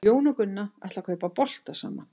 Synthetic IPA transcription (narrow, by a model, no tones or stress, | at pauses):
oːwnʏkʏnːaɛjht̪lakʰœːpapɔl̥t̪asa̰ːmːa